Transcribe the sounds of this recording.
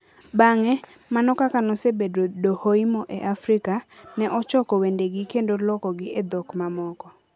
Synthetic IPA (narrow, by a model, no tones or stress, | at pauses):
baŋɛ | manɔkakanɔsebedodohoimɔʔeʔafɾikanɛʔɔt͡ʃɔkɔwendeɡɪkendolɔkɔɡɪed̪ɔkmamɔkɔ